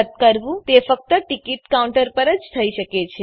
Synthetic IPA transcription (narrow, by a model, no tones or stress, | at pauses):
ət̪̚kəɾʋũt̪efək̚t̪əʈikiʈkauɳʈəɾpəɾəd͡ʒt̪ʰəiʃəket͡ʃʰe